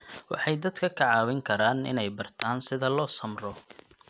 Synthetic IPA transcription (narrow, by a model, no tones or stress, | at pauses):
wɑħɑjd̪ɐd̪kʰɐkʰɐʕɑːwɪŋkʰɐɾaːnɪ̰nɛjbɐrt̪ʰaːnsɪðɐlɔːsɐmrɔ